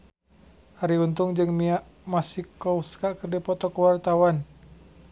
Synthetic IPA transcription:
aɾiunt̪ʊŋd͡ʒɨŋmiaʔmasikɔuskaʔkərdipɔt̪ɔkəwart̪awan

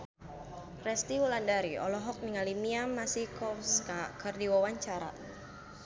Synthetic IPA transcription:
rɛst̪iwulandaɾiɔ̰lɔɦɔk̚niŋalimiamasikɔfskakɨrdiwawaɲt͡ʃaɾa̰

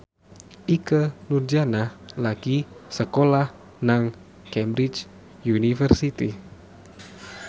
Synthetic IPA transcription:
ʔikənurd͡ʒanahlaɡisəkolah | naŋ | kɛmbɾit͡ʃ | junifərsit̪i

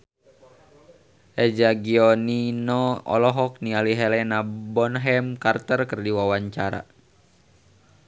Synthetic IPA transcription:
ʔɛd͡ʒaɡiɔninɔɔ̰lɔɦɔk̚nialiɦɛlɛnabɔnɦɛmkart̪ərkərdiwawaɲt͡ʃaɾa̰

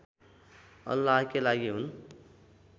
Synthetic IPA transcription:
ʌ̰lːaɦkelaɡiɦun

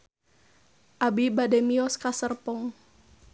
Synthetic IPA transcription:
ʔabibadɛmiɔskasərpɔŋ

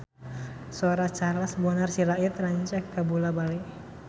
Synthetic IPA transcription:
soɾat͡ʃarlasbɔnarsiɾaɪt̪raɲt͡ʃakːabulabali

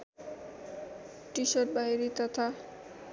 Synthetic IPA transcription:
ʈiʃoʈ̚baɦiɾit̪ɔt̪ʰa

